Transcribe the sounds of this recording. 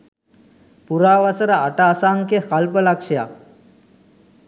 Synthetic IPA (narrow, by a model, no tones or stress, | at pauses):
puɾaːʋasəɾəaʈaːsaŋkexalpəlakʃja